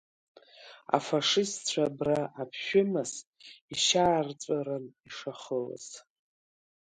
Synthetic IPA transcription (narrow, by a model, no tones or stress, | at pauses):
a̰faʂɪst͡ɕʷʰabraapʰʃᶣʊmɨziʃaːrt͡sʷʼaɾaniʂaχəla̰z̥